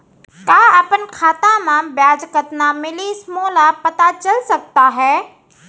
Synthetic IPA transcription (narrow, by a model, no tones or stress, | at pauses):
kaːəpənkʰaːt̪ãmãbjaːd͡ʒkət̪namɪlismoːlapət̪at͡ʃəlsək̚t̪aɦɛː